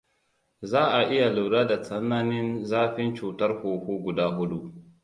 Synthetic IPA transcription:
zaː˦ʔa˨ʔɪ˦ja˨lu˨ɽaː˦da˨t͡sɐ˦nːaː˦nɪ˦nzaː˦ɸɪ˦nt͡ʃuː˨tɐ˦rhoː˨huː˦ɡʷʊ˨daː˦ɦʊ˦ɗu˦ʔ

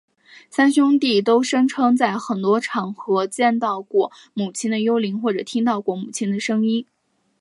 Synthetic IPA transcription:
sa˥nɕʊ˥ŋt̪i˥˩t̪̬o˥ʊʂɤ˥ŋʈ͡ʂʰɤ˥ŋt͡sa˥˩ɪxə˨˩nt̪wɔ˥ʈ͡ʂʰɑ˨˩ŋxɤ˧˥t͡ɕjɛ˥˧nt̪ɑ˥˧ʊkwɔ˥˩ | mu˨˩t͡ɕʰi˥ŋd̪ə˨jo˥ʊli˧˥ŋxwɔ˥˩ʈ͡ʂɤ˨˩t̪ʰi˥ŋt̪ɑ˥˧ʊkwɔ˥˩mu˨˩t͡ɕʰi˥ŋd̪ə˨ʂɤ˥ŋi˥n

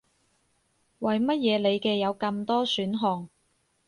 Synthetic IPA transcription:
wɐ˨jmɐ˥t̚jɛː˨˧le˨˧jkɛː˧jɐ˨˧wkɐ˧mt̪ɔː˥syː˨˥nɦɔː˨ŋ

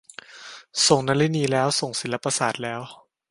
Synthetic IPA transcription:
so˨˩ŋnaː˧˥li˦˥niː˧lɛː˦˥wso˨˩ŋsi˨˩˦la˦˥pa˧saː˨˩t̪̚lɛː˦˥w

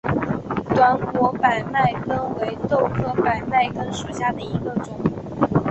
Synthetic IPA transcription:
t̪wa˧˥nkwɔ˧˥pa˨˩ɪma˥˩ɪkə˥ŋwe˧˥ɪt̪o˥˧ʊkʰɤ˥˧pa˨˩ɪma˥˩ɪkə˥ŋʂu˥˧ɕja˥˩d̪ə˩i˧˥ɡə˧ʈ͡ʂʊ˨˩˦ŋ

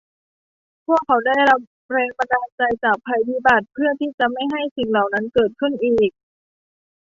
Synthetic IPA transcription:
pʰu˥˩əkʰːa˩˦wda˥˩jɾa˦˥p̚ | ɾɛː˧ŋpa˧naː˧nt͡ɕa˧jt͡ɕaː˨˩k̚pʰa˧jbiː˧˥˩ba˨˩t̪̚pʰɯ˥˩ət̪ʰiː˥˩t͡ɕa˨˩ma˥˩jɦa˥˩jsi˨˩ŋla˨˩wna˦˥nkɤː˨˩t̪̚kʰɯ˥˩nʔiː˨˩k̚

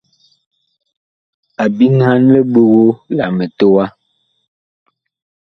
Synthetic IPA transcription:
a˨bi˦ŋ˦ha˦n˦lə˦ɓo˦ɣo˦la˨me˨to˦wa˦

